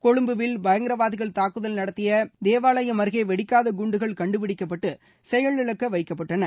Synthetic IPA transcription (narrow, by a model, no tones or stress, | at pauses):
kɔɻɯmbɯʋɪlbɐjɐŋɡɪɾɐʋaːðɪɣɐɭt̪aːkːɯðɐlnɐɽɐt̪ːɪjɐd̪eːʋaːɭɐjɐmɐɾɣɐɪʋɛɽɪkːaːðɐɡʊɳɖɯɣɐɭkɐɳɖɯpɪɽɪkːɐpːɐʈːɯ | sɛjɐɭɪɭɐkːɐʋɐɪkːɐpːɐʈːɐnɐ